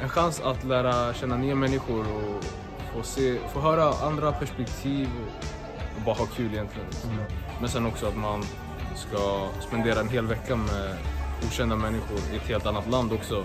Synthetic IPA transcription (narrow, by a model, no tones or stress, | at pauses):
ɛnɧansat̪læːɾaɕɛnːanyːamɛnːɪɧʊɾɔ | foːseːfoːɦœːɾaand̪ɾapʰæʂpɛkt̪ʰiːvɔ | ɔbɑːɾaɦɑːkʰʉ̟ːlɪjɛnt̪ʰlɪɡənnmɛnsɛnːɔksɔat̪man | skaspɛnd̪eːɾaɛnɦeːlvɛkːamɛɡuːɕɛnd̪amɛnːɪɧʊɾɪɛt̪heːlt̪anːat̪land̪ɔksɔ